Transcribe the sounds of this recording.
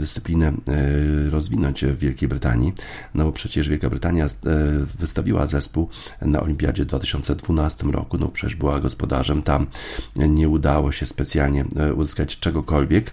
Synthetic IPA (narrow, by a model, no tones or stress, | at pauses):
d̪ɘst̪sɘ̥plʲinɛ | ɾɔzvʲinɔɲt͡ɕvʲːjɛlkʲejbɾɘt̪a̰ɲi | nɔbɔpʂɛt͡ɕɛʐvʲjɛlkabɾɘt̪aɲjavɘst̪avʲiwa̰zɛspuw | na̰ʔɔ̰lʲimʲpʲja̰d͡ʑɛvd̪vat̪ɘ̥ɕɔnt̪sɛd̪vunast̪ɘmɾɔ̰kunɔbɔpʂɛt͡ɕʲɛʐbɘwaɡɔspɔd̪aʐɛmt̪amɲɛud̪awɔɕɛspɛt̪sʲjalɲɛʔuzɘskat͡ɕt͡ʂɛɡɔkɔlvʲjɛk